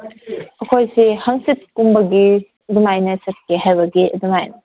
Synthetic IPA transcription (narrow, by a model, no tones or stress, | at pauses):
ɐkʰojsehɐŋsit̚kumbɐɡi | dumajnɐsɐt̚keɦajbɐɡiɐdumajnɐ